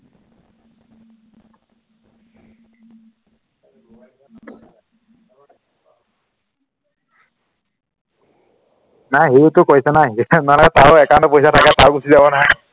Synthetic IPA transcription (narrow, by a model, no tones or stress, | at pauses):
najɦejutʊkojsɛnajnalakɛtaɹɛkandɔpojsatʰakɛtaɹɡusizabɔnaɦɔj